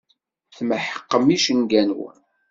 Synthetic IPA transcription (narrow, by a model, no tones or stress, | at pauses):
θməħə̥qːəmiʃənɡænuw